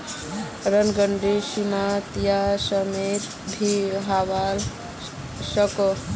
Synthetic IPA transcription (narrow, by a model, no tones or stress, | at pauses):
ɾənɡəɳɖesimat̪jasəmet̪ | bʱiɦaʋal | səkɔ